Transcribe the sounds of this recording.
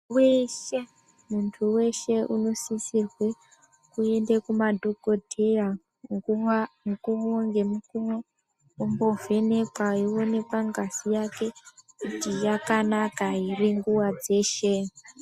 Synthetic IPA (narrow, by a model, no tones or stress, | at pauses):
weʃe̞ | muntʰuwe̞ʃe̞uno̞sisirwe̞ | kue̞ndekumadʱo̞ɡʱo̞dʱera | mkumoŋɡemukumo | umbo̞vʱe̞ne̞kwaiwo̞ne̞kwaŋɡasijake̞kutijakanakaɦiriŋɡuwad͡ze̞ːʃe̞